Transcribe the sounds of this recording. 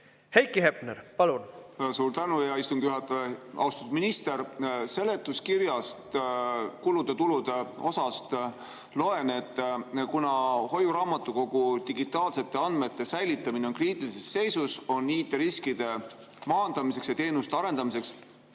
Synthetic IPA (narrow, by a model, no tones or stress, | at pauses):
hejkːihepneɾpɑlunsuːɾt̪ænujɑist̪umɡ̥juɦɑt̪ːˑɑjeɑ̰wst̪ɑ̥t̪u̥minist̪e̞ɾse̞le̞t̪ːˑuskiɾjɑst̪kulud̪̥e̞t̪ulud̪e̞o̞sɑst̪ | lo̞e̞ne̞t̪ˑːkunɑho̞juɾɑːmɑt̪ːˑuko̞ɡ̥ut̪iɡit̪ːˑɑːlse̞t̪ːe̞ɑnd̪̥̚me̞t̪ːe̞sæjlit̪ːˑɑmineonkriːt̪ːˑilise̞sːe̞jsuso̞nːiːt̪ːˑeɾiskid̪̥e̞ | mɑːnd̪̥ɑmis̬e̞ksjɑt̪e̞ːnust̪e̞ɑɾe̞nd̪ɑmise̞ks